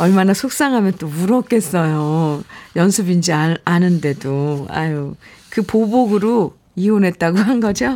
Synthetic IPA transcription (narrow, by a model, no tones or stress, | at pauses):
ʌɭmanasʰok̚s͈aŋɦamjʌnt͈omuɾʌk̚k͈e̞s͈ʌjojʌnsʰɯbind͡ʑiaanɯnde̞doa̰jo | kɯpoboɡɯɾo | ionɦe̞t̚t͈aɡoanɡʌd͡ʑo